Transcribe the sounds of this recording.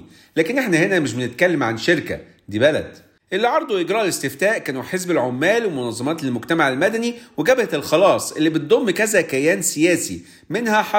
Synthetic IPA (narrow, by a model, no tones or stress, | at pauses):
læːkenʔeħnæhenæmeʃ̬benet̪̚kælːæmʕanʃeɾkæ̰ | d̪iːbælæ̰d̪̥ | ʔelːiʕɑɾˤd̪ˤuʔeɡɾɑːʔlest̪eft̪æːʔkæːnuħezbelʕomːæːlwemonɑzˤːɑmɑːt̪lmoɡt̪æmaʕelmæd̪æniweɡæbæhæt̪elxɑlɑːsˤʔelːibet̪̚d̪ˤomːkæzækæjæːnsejæːsḭ | menhæħɑ